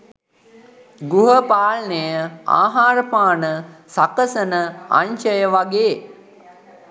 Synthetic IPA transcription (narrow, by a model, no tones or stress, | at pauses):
ɡuɦəpaːlnejəa̰ːɦaːɾəpaːnəsakəsənəa̰ɲʃəjəʋaɡeː